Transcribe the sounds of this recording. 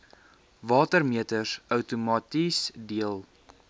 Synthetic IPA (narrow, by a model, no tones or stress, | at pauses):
vɑːtərmiətəsœwtumɑːtisdiəlˠ